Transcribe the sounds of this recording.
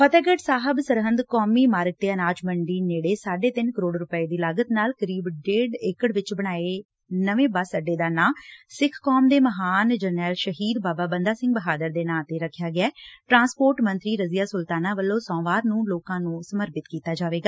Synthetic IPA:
pʰət̪ɛːɡəʈsaːɦəbsəɾɦə̃nd̪kɔːmiːmaːɾɡ̚t̪eːənaːt͡ʃməɳɖiːneːɽeːsaːɖeːt̪ɪnkəɾoːɽɾʊpəeːd̪iːlaːɡət̪naːlkəɾiːbɖeːɖeːkəɽʋɪt͡ʃbəɽ̃aːe | nəʋẽːbaːsəɖeːd̪aːnãːsɪkʰkɔːmd̪eːməɦaːnd͡ʒənɛːlʃəɦiːd̪baːbaːbənd̪aːsɪ̃ŋɡbəɦaːd̪əɾd̪eːnãːt̪eːɾəkʰːjaːɡɪɛːʈɾãːnspoːɾʈmə̃nt̪ɾiːɾəzɪjaːsʊlt̪aːnaːʋəlːõːsɔ̃ːʋaːɾnũːloːkãːnũːsəməɾpɪt̪kiːt̪aːd͡ʒaːʋeːɡaː

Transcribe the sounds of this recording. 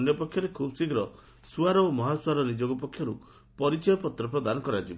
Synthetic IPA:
njɔpɔkʰːjɔɾekʰubɔsiɡɾɔ | suaɾɔomɔɦaswaɾɔnid͡ʒoɡɔpɔkʰːjɔɾu | pɔɾit͡ʃɔjɔpɔt̪ɾɔpɾɔd̪anɔkɔɾad͡ʒib

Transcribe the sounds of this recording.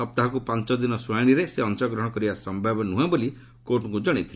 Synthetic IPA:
ɔp̚t̪aɦɔkupant͡ʃɔd̪inɔswaɽ̃iɾeseɔnt͡ʃɔɡɾɔɦɔ̃ɽ̃ɔkɔɾibasɔmbʱabɔnuɦãboli | koʈɔŋkud͡ʒɔɽ̃it̪ʰile

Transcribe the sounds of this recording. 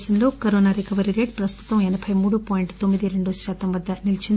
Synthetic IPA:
sɐnlo̞ːkɐɾoːnaːɾɛkɐʋɐɾiɾe̞ːʈ̚pɾɐst̪u̥t̪ɐmɛnɐbʰʱɐjmuːɽupaːjiɳʈt̪omːid̪iɾe̞ɳɖuʃaːt̪ɐmʋɐd̪ːɐnilit͡ʃind̪

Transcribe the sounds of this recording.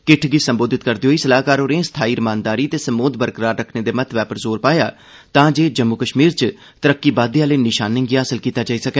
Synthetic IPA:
kɪʈʰɡɪsəmboːd̪ɪt̪kəɾd̪iɦoːiːsəlaːkaːɾoːɾeẽsə̥t̪ʰaːiːɾɪmãːnd̪aːɾiːt̪eːsəmoːd̪bəɾkɾaːɾɾəkʰneːd̪eːmət̪ʰʋɛːpəɾzoːɾpaːjaː | t̪ãːd͡ʒeːd͡ʒəmːukəʃmiːɾt͡ʃ | t̪əɾəkːiːbaːd̪ijãːləːnɪʃaːnɪ̃ŋɡiːaːsəlkiːt̪aːd͡ʒaːiːsəkɛː

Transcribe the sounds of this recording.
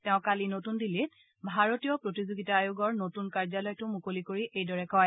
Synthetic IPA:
tɛʊ̃kalinotundilːit̚ | bʱaɹotijɔpɹotizoɡitaːjuɡɔɹnotunkaɹzalɔjtʊmukolikoɹiʔejdɔɹɛkɔj

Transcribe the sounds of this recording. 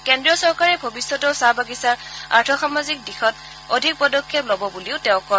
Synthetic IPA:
kɛndɹiɔsɔɹkaɹɛbʱobisːɔtɔsabaɡisaɹa̰ɹtʰɔxamazik̚dixɔt | odʱik̚pɔdɔkʰːeplɔbɔbuliʊtɛʊ̃kɔ

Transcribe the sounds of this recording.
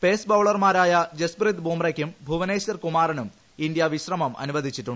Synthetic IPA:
pe̞ːsbɐʋɭɐrmaːɾaːjɐd͡ʑesbrid̪buːmrɐkʲːumbʱuʋɐneːɕɐrkumaːrɐnum | ind̪jɐʋiɕrɐmɐmɐ̰nuʋɐd̪ʱit͡ɕːiʈːuɳ

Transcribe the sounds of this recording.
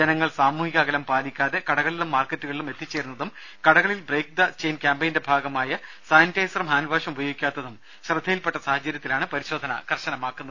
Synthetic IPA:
d͡ʑenɐŋːɐɭsaːmuːhiɣɐɣɐlɐmpaːlikʲːaːðe̞kɐɽɐɣɐɭilumːaːrkːɐtːuɣɐɭilume̞t̪ːit͡ɕːeːɾunːɐðum | kɐɽɐɣɐɭilbreːk̚d̪ɐt͡ɕejnkʲaːmbejnde̞bʱaːɡɐmaːjɐ | saːjntɐjsɐrɐmaːnubʱaːɕɐmubɐjoːɡikʲːaːt̪ːɐðum | ɕrɨd̪ʱːɐjilpe̞ʈːɐsaːhɐt͡ɕɐɾjɐt̪ːilaːɳɨpɐɾiɕo̞ːd̪ʱɐnɐ̰kɐrɕɐnɐmaːkːunːɐðɨ

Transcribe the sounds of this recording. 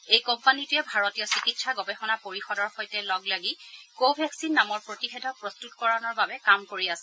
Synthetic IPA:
ejkɔmpanitʊjɛbʱaɹotijɔsikitsaɡɔbɛxɔnapoɹixɔdɔɹxojtɛlɔɡlaɡikobʱɛksinːamɔɹpɹotixedʱɔpɹɔstutkɔɹanɔɹbabɛkamkoɹiasɛ

